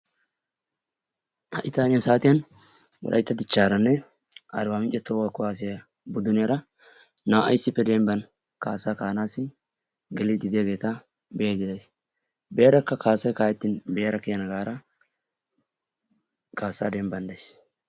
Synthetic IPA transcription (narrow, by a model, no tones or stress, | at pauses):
hɐʔɪt̪aːnɪjɐsaːt̪ɪjɐn | wɔ̰ɾʔɐ̰jt̪ːɐd̪ɪt͡ʃːaːɾɐnːɛ | ʔɐ̰ɾwaːmɪnt͡ʃʼːɛt̪ɔːwakːʊaːs̬ɪjɐ | bʊd̪ʊnɪjɐɾɐ | naːʔɐjsːɪpːɛd̪ɛmbɐn | kaːsːaːkaːnaːsɪ | ɡɛlɪd̪ɪd̪ɪjaɡe̞ːt̪ɐ | bɛjɐd͡ʒɪd̪ɐjs | beːɾɐkːɐkʰaːsːɐjkaːjɛt̪ːɪnbeːɾɐkɪjɐnɐɡaːɾɐ | kaːsːaːd̪ɛmbɐnd̪ɐjs